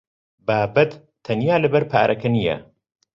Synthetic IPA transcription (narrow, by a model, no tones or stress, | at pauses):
baːbɐt̪ | t̪ʰːɐnjaːlɐbɐɾpʰa̰ːɾʔɐkʰɐnijɐ̰